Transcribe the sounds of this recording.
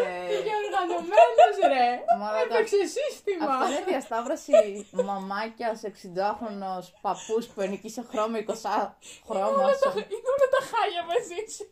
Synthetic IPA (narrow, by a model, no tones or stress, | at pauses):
ʝɐoɾɣɐnomenozɾemɐlk̪eksesist̪imɐɐeðiɐst̪ɐvɾɐsimɐmɐcɐseksid̪oɐxunospɐpuspuenicisexɾomɐikosɐxɾomɐsunɐt̪ɐxɐʝɐmezis